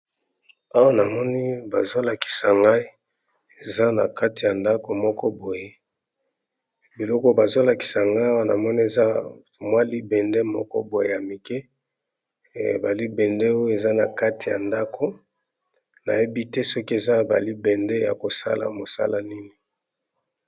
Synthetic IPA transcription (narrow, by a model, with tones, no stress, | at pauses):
a˦wa˦na˨mɔ˦ni˦ba˨zo˦la˨ki̥˨sa˨ŋɡa˦i˦ | e˨za˦na̰˨ka˦ti˨ja˨nda˦ko˨mɔ˦kɔ˦bo˨je˦ | bi˨lɔ˦kɔ˦ba˨zo˦la˨ki̥˨sa˨ŋɡa˦a˦wa˦na˨mɔ˦ni˦e˨za˦˨mwa˦li˦bɛ˨ndɛ˦mɔ˦kɔ̰˦bo˨je˨ja˨mi˨kɛ˦˨ | ba˨li˦bɛ˨ndɛ˦o˦e˨za˦na˨ka˦ti˨ja̰˨nda˦kʰo˦ | na̰˨je˦bi˦tɛ˦sɔ˦ki˦e˨za˦˨ba̰˨li˦bɛ˨ndɛ˦ja̰˨ko˨sa̰˦la̰˨mo˨sa̰˦la˨ni˦ni˨